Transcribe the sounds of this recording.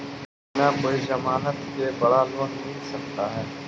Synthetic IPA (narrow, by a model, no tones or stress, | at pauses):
nakoːizɐmaːnət̪kebɐɽaloːnnɐɦĩsɐk̚t̪aɦɛː